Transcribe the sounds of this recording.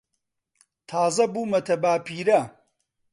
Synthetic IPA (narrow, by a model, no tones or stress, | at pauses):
t̪ʰaːzɐbuːmɐt̪ʰɐbaːpʰiːɾɐ